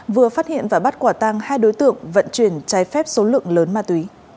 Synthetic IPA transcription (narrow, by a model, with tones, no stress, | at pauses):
vɨ˨˩əfaː˦˥t̚hḭ˧˨ənvaː˨˩ɓa˦˥t̚kwaː˧˩t̪a˧ŋhaː˧jɗo˨˦jt̪ɨ̰˧˨əŋvə̰˧˨nt͡ɕwi˧˩ənt͡ɕaː˨˦jfɛ˦˥p̚so˨˦lɨ̰˧˨əŋləː˨˦nmaː˧t̪wi˨˦